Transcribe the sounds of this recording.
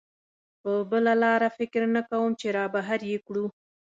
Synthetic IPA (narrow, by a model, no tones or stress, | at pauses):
pəbəlalɑɾafɪkɾnakawəmt͡ʃeɾɑbaɦaɾjekɽu